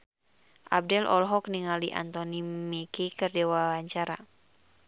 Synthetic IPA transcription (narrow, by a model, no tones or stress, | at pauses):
ʔa̰b̚dɛlʔɔ̰lɦɔkniŋaliʔa̰nt̪ɔnimikikərdɛwaaɲt͡ʃaɾa̰